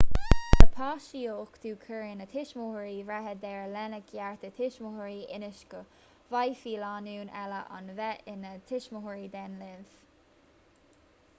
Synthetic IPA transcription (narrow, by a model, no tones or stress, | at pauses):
əpʰɑːʃioːkd̪̥uːkʰəɹɪnət̪ʰɪʃmohəɹivɛɦəd̪ɛɹlɛnəkʰjaɹt̪ət̪ʰɪʃmʊhəɹiʔɪnɪʃkə | vajfiːlɑːnuːnɛləʔa̰nvɛʔɪnət̪ʰɪʃmʊhəɹid̪ɛnlɪv̥